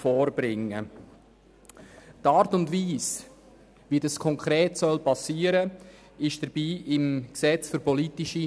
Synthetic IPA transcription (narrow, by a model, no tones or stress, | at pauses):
fɔːɾb̥ɾɪŋːə | tɑːɾtʊndviːs | ʋidɑskʰɔŋkʰɾeːtsœlpɑsiːəɾə | ɪʃd̥əɾb̥iːʔɪmksɛt͡sfʏɾpɔlitɪʃi